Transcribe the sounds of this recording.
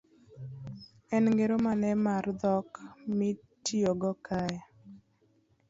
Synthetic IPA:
ɛnŋɡeɾomanɛmard̪ɔkmi | tioɡɔkʰaj

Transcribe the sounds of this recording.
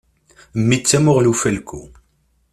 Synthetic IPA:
mːit͡sːæmʊʁlufælkʰːu

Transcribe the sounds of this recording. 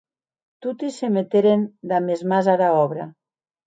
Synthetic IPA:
t̪ut̪isemet̪eɾend̪amezmazaðaɔβɾa

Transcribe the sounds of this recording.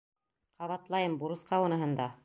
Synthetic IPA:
qɑβɑt̪lˠɑjɤmbuɾɤ̆sqɑwɤnɤ̆ɦɤ̆nd̪ɑ

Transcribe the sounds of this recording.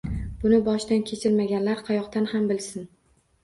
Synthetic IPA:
b̥ʊnɪbɒʃd̪ankʲʰe̞t͡ʃʰɪɾmaɡʲanlaɾqʰɑjɒqt̪anhambɪlsɪn

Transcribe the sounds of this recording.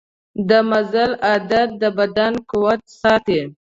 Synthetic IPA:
d̪əmazalad̪at̪̚d̪əbad̪ankuwat̪̚sɑt̪e

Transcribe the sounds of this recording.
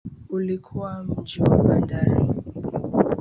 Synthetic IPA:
ulikʰuwam̩d͡ʒiwabandaɾḭ

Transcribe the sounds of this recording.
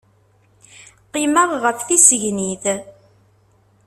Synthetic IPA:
qiməʁʁəfθisəʝniθ

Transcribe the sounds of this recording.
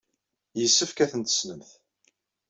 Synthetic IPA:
jəsːəfkæθənt̪ə̥snəmθ

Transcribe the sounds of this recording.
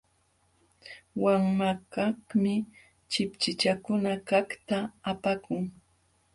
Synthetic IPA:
waŋmakahmɪ | t͡ʃɪpt͡ʃɪt͡ʃakʊnakakt̪aːpakʊŋ

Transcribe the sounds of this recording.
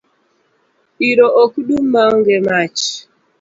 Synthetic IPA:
iɾɔʔokuɗum̩maŋɡemat͡ʃ

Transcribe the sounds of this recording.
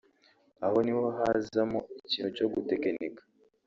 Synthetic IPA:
aho̞nihoɦazamoiciːnuco̞ɡutekenekḁ

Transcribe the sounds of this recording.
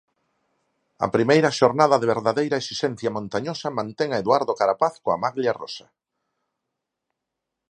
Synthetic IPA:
ɐ̰pɾimejɾɐʃoɾnaðɐðeβeɾðaðejɾɐesisen̟θjamõnt̪aɲosɐmãnt̪eŋaeðwaɾðokaɾapaθkoa̰maɣljarɔ̰sɐ

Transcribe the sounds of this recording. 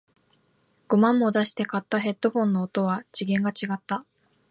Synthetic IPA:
ɡ̥o̞mãmːo̞d̪aɕi̥t̪e̞kat̪ːaɦe̞t̪ːo̞ɸõ̞nːo̞ːt̪o̞βad͡ʑiɡẽ̞ŋɡat͡ɕiɡat̪ːa

